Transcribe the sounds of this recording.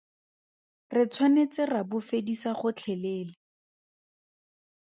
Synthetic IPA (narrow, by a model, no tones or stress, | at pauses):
rɪt͡sʰwanet͡sɪrabʊfedisaχʊt͡ɬʰɛleːlɪ